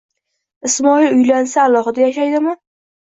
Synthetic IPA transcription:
ɪsmɒilʊjlansaːlˠɒχɨd̪ajaʃajd̪ɪmɪ

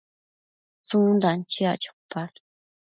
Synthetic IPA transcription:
t͡sũnd̪ant͡ʃia̰t͡ʃu̥pːal

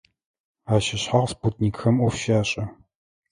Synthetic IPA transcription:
aːʃɪɕħaʁsput̚ʰniːkxɐmɔfʃaːɕʼɐ

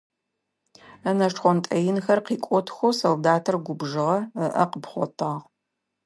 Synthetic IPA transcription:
ɐnɐʈ͡ʂχʷɔntʼɐjɪnxɐrqiːkʷʼɔtʰxʷosoldaːtʰɐrɡʷʊbʒɨʁɐəʔɐqəpχʷɔ̰tʰaːʁ

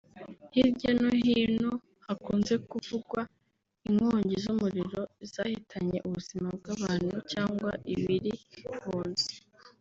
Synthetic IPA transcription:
hibɟanoɦiːnhu | hakuːnze̞kuvuɡwa | iŋoːɲɟizumuɾiɾo̞iz̥aːhitʰaɲe̞̰ʔuβuz̥imab̚ɡaβaːn̥hucaːŋɡwa̰ʔiβiɾihuːnze̥

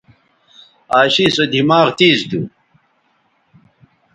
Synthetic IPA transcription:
aːɕisɐd̪imaːʁt̪iːzd̪u

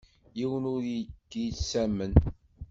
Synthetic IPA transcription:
jiwənʊɾjiɡːisæmən

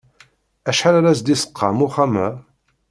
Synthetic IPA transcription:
æʃħaɾaɾæsd̪isə̥qʰːɑ̰muχæmæ

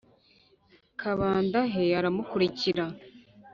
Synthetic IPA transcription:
kʰaβaːndaɦeaɾamukuɾiciɾa

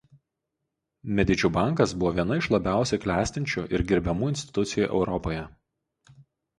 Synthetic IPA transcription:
mʲɛd̪ʲɪd͡ʒʲuːbɑˑŋkɐsbʊʋoːʋʲiɛnɐɪʃlˠɐbʲæˑʊsʲɛklʲæːsʲt̪ʲɪnʲt͡ʃʲuʔɪɾɡʲɪɾʲbʲɛmuːɪnʲsʲt̪ʲɪ̥t̪ʊt̪sʲɪjuˑːʔɛ̰ʊɾɔpoːjɛ

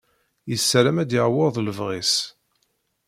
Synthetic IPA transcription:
jəsːɾæmæd̪jɪʁwɪðˤləvʁis

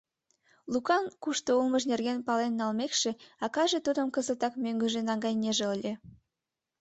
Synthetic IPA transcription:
lukɑnkuʃt̪oulməʃnerɣenpɑlenːɑlmekʃeɑkɑʒet̪ud̪əmkəzət̪ɑkmøŋɡə̆ʒenɑŋɡɑjneʒeəlʲe

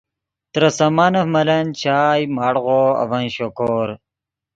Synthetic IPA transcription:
t̪ɾɐsɐmaːnɐfmɐlɐnt͡ɕʰaːjmaːɽʁoɐ̰vɐnɕokoːɾ

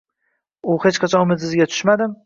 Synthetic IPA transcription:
ʊhe̞t͡ʃqʰat͡ʃʰɒ̃nʊmɪd̪sɪzɡʲat̪ʰʊ̥ʃmad̪ɪm

